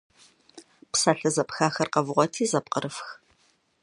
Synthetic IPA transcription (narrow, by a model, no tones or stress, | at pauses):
psaːɬɐzɐpxaːxɐrqɐvʁʷɔtʰiːzɐp̚qəɾɨfx